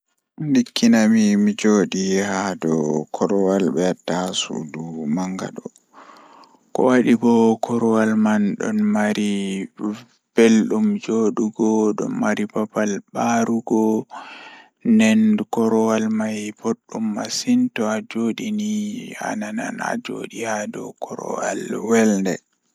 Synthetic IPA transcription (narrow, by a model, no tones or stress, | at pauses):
ndikʰːinamimid͡ʒoːɗihadɔkʰɔɾɔwalɓɛatːasṵdumaŋɡa̰ɗɔ | kɔ̰waɗibɔkʰɔɾɔwalmanɗɔ̰nmaɾi | b̥elɗumd͡ʒoɗuɡɔɗɔ̰nːaɾipapalɓaɾuɡɔ | nɛnkɔɾɔwalmajboɗːumːa̰sintɔad͡ʒoɗinia̰nana̰na̰d͡ʒo̰ɗijadɔ̰kʰɔɾɔ̰walwɛlndɛ